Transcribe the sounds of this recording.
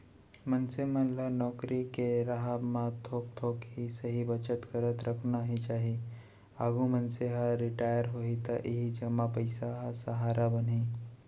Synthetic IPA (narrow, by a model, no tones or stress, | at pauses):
mənsemə̃lanɔːkɾikeɾaɦamãt̪ʰoːk̚t̪ʰoːkɦisɐɦibət͡ʃət̪kəɾət̪ɾʔɐkʰnaɦit͡ʃaːɦi | aːɡumənseɦaɾɪʈaːjəɾɦoːit̪aʔɪɦid͡ʒɐmːapəɪsaɦasɐɦaːɾʔabənɦiː